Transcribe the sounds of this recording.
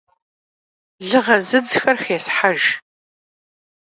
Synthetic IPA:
ɮɨʁɐzɨd͡zxɐrxeːsħaʒ

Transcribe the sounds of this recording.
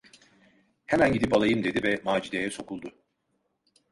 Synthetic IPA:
hemænɟid̪ipalˠajɯmd̪ed̪ivɛmaːd͡ʒid̪ejɛso̞kʰulˠd̪ʊ

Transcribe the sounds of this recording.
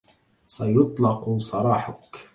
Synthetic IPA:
sajʊt̪ˤlɑqusˤɑɾˤɑːħakʰ

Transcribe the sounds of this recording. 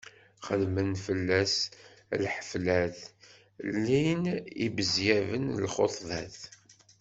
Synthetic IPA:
χəlmənfəlːæslħə̥flæθ | lːinḭbəzjævənlχoθˤðæθ

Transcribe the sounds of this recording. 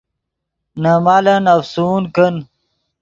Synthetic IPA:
nɐmaːlɐnɐfsuːnkən

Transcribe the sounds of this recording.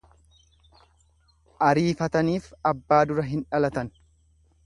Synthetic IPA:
ʔɐɾiːfɐt̪ɐniːfɐbːaːd̪ʊɾɐɦɪnᶑɐlɐt̪ɐn

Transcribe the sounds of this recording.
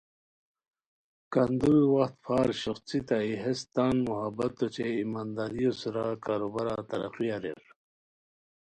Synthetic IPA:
kand̪uɾwɐxt̪pʰaːɾɕɐxt͡sit̪aiɦest̪aːnmuɦabɐt̪ːot͡ɕeimaːnd̪aːɾijosuɾakaːɾobaɾat̪ɐɾɐ̰qijaɾḛɾ

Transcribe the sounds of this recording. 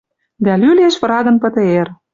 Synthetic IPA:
d̪ælyleʃβ̆ɾɑd̪ɤ̆npɤ̆t̪ɤ̆er

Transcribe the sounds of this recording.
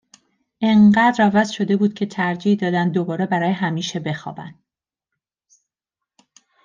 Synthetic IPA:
ʔeɴɢæːd̪ɾævæzʃo̞d̪e̞buːd̪̥̚cʲʰe̞t̪ʰæɾd͡ʒiːhd̪ɒːd̪ænd̪ːobɒːɾe̞bæɾɒːjeɦæmiːʃe̞be̞xɒ̰ːbæ̰nd̪̥

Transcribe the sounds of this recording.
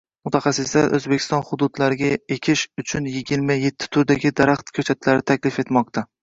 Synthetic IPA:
mʊt̪ʰaχɑsːɪslaɾʔɵ̰zbe̞kʰʲɪ̥st̪ɒnχʊd̪ʊd̪laɾɪɡʲaekʲʰɪʃʊt͡ʃʰʊnjɪɡʲɪɾmaje̞t̪ʰːɪ̥t̪ʰʊɾd̪aɡʲɪd̪aɾaχt̪kʲʰɵt͡ʃʰat̪ʰlaɾɪt̪ʰakʲlɪfe̞t̪mɒq̚t̪ʰa

